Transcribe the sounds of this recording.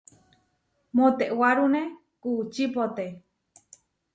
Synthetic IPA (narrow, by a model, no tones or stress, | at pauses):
mõt̪eʔwaɾunẽ | kut͡ʃipot̪e